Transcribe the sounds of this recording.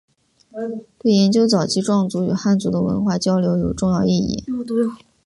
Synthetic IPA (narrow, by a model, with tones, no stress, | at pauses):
t̪we˥˩ɪjɛ˧˥nt͡ɕjo˥ʊt͡sɑ˨˩ʊt͡ɕʰi˧˥ʈ͡ʂwɑ˥˩ŋt͡su˧˥y˨˩xa˥˩nt͡su˧˥d̪ə˧wə̰˧˥nxwa˥˩t͡ɕjɑ˥ʊljo˧˥ʊjo˨˩ʊʈ͡ʂʊ˥˧ŋjɑ˥˧ʊi˥˧ḭ˥˩